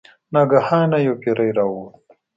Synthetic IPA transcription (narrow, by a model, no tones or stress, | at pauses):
naɡahaːnɐjokeɾɐjɾawuː